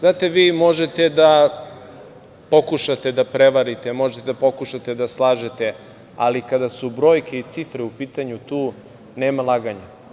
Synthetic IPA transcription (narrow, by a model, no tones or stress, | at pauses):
znaːt̪e̞ʋiːmo̞ʒet̪ed̪a | po̞kuʃat̪ed̪apɾeʋaɾit̪emo̞ʒet̪ed̪apo̞kuʃat̪ed̪aslˠaːʒet̪e | a̰likad̪asubɾo̞ːjke̞it̪sifɾeupiːt̪aɲut̪uː | neːmalˠaːɡaɲa